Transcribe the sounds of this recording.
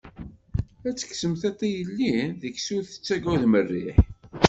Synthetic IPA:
æt͡sːə̥ksəmθɑt̪ˤːijəlːiðəkːsuθə̥t͡sːæɡæðmərːiħ

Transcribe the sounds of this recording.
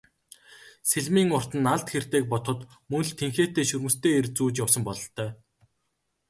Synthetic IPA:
seɮmiːŋʊr̥t̪ɘ̆nːaɮt̪xer̥t̪eːk̚pɔt̪χə̆t̪ | mɵnɮt̪ʰeŋxeːt̪eːʃɵɾmɵ̆st̪ʰeːert͡suːt͡ɕjawsə̆mpɔɮɞ̆ɬt̪œː

